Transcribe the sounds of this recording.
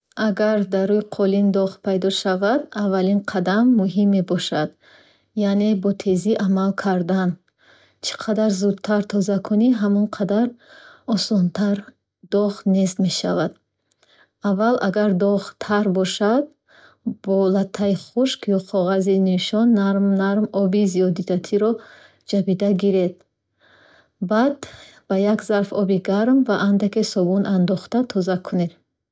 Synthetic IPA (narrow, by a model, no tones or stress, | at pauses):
aɡaɾd̪aɾuiqʰɔlind̪ɔʁpʰajd̪ɔʃavad̪avːalinqʰad̪amːuɦimːe̞bɔʃad̪ | jane̞bɔt̪ʰe̞ziʔamalkʰaɾd̪an | t͡ʃʰi̥qʰad̪aɾzud̪̚t̪ʰaɾt̪ʰɔzakʰɔniɦamɔnqʰad̪aɾɔsɔnt̪ʰaɾ | d̪̥ɔʁnest̪me̞ʃavad̪ | avːalʔaɡaɾd̪ɔʁt̪ʰaɾbɔʃad̪̚ | bɔlat̪ʰːaiχuʃkjɔqʰɔʁaziniʃɔnːaɾmnaɾmɔbizijɔd̪id̪at̪ʰiɾɔ | d͡ʒabid̪aɡiɾed̪̚ | bad̪ | b̥ajakzaɾfɔbiɡaɾmvaʔand̪akesɔbunand̪ɔχt̪at̪ʰɔzakʰuned̪